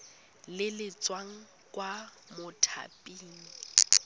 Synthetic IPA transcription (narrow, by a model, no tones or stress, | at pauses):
lɪlɪt͡swaŋ̩ | kʼwa | mʊtʰa̰pʼiːŋ̩